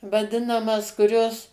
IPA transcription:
ʋɐˈdʲɪnɐmɐs kʊˈrʲoːs

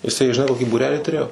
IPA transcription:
jɪˈsɐɪ ʒʲɪˈnɐɪ koːˈkʲiː buːˈrʲæːlʲiː tʊˈrʲeːjoː

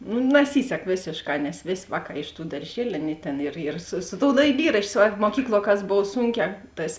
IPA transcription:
nʊ nɐˈsʲiːsʲɛk ˈʋʲeːsʲeːʃˌkɑː nʲɛs ˈʋʲeːsʲ ˈʋɑːˌkɑː ɪʃ tuː dɐrʲˈʒʲiɛlʲʊ ˈɑːˌnʲeːɪ ˈtʲeːn ɪr ɪr sʊ sʊ toːʊ dɐɪˈlʲiːrɐʃʲt͡ʃʲoː ˈsʋɐrboː muɔˈkʲiːklˠuɔ kɐs ˈboːw ˈsuːŋʲˌkʲɛː ˈtɐs

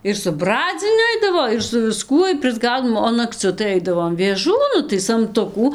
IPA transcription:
ɪr sʊ ˈbrɑːd͡zʲɪnʲʊ ˈɐɪdɐʋoː ɪr sʊ ʋʲɪˈskuɔj pʲrʲɪzˈɡɐʊdoːm oː nɐkˈt͡sʲʊ tɐɪ ˈɐɪdɐʋoːm ʋʲeːˈʒuː ˈnʊ tɐɪ sɐmˈtʊkuː

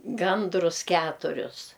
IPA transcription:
ˈɡɐndrʊs ˈkʲæːtʊrʲʊs

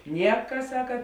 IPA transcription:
ˈnʲiɛkɐ ˈsɑːkɐ

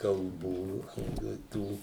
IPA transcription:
kɐlˠˈbuː jɛʊ ɪ ˈtuː

